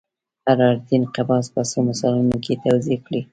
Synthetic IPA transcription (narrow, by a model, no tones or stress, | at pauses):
aɾɑɾd̪inqabɑspasomasɑlunoket̪awzekɽi